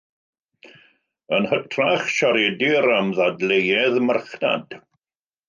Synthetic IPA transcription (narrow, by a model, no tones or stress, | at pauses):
ənhətʰraχʃɔɾɛdɪɾamðadlejɛðmərχna̰d̥